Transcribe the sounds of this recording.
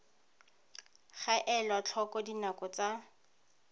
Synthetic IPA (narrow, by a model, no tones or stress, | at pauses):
χaʔɛlwat͡ɬʰɔkɔdinakɔt͡sa